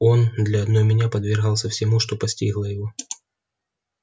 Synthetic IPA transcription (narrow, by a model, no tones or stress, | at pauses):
o̞nd̪lʲɐɐd̪nojmʲɪnʲapəd̪vʲɪrɣɑlˠsʲəfsʲɪmuʂt̪o̞pɐsʲtʲiɣlˠəjɪvo